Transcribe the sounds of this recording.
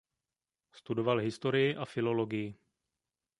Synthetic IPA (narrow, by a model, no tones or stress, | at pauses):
st̪udo̞valɦɪst̪oɾɪjɪʔafɪlo̞lo̞ɡɪjɪ